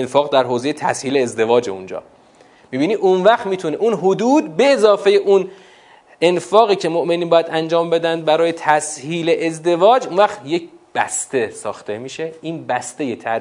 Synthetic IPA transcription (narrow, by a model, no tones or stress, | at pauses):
enfɒːɣd̪æɾɦoːzejet̪ʰæshiːleːzd̪e̞vɒːd͡ʒeṵnd͡ʒɒ̰ː | miːbiːnid̪unvæxt̪miːt̪ʰuneʔunɦod̪uːd̪̚be̞ːzɒːfejeʔun | e̞nfɒːɣiːcʰe̞moʔme̞niːnbɒːjæd̪ænd͡ʒɒːmbe̞d̪ænd̪̚bæɾɒːjet̪ʰæshiːleʔezd̪e̞vɒːd͡ʒunvæχt̪je̞cb̥æst̪e̞sɒːxt̪e̞miːʃe̞iːnbæst̪e̞jet̪ʰæ